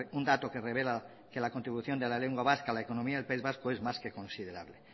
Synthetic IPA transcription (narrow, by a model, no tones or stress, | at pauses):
und̪at̪okereβela | kelakont̪ɾiβuθjond̪elaleŋɡwaβaskalaekonomiaðelpaizβaskoezmaskekõ̞nsið̞eɾa̰βle